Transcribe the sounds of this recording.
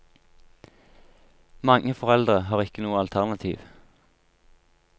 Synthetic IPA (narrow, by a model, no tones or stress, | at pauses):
mɑŋəfɔʁɛld̪ʁəɦɑːʁɪkənuːəɑlt̪ʰæʁnɑt̪ʰḭːʋ